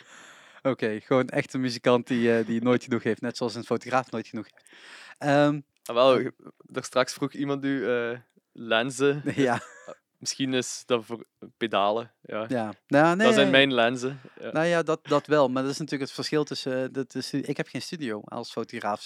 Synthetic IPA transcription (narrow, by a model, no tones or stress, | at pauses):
okejɣəʋoːnɛ̰xtəmyzikɑntdiədinoːjtxənuxɦeftnɛtsoɑlˠsənfotoχraːfnoːjtxənuxheftəm | aʋɛlˠ | dəstrɑksfruximɑntnyə | lɛnzəjaː | məsxinɪsdɑvpedaːləjajaːnaːnezɛjnmɛjnlɛnzənojaːdɑt̚dɑtʋɛlˠmaːɹdɑtɪsnatyːləkətfəɹsxɪlˠtɵsədətəstyɪkɦɛpχejnstydijowɑ̰lˠsfowtoɣraːf